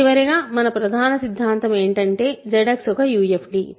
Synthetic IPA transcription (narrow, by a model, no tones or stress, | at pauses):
iʋɐɾiɡaːmɐnɐpɾɐd̪ʱaːnɐsid̪ʱːaːnt̪ɐme̞ːɳʈɐɳʈe̞ːd͡ʒɐɽɐksɔkɐjuːepʰɖi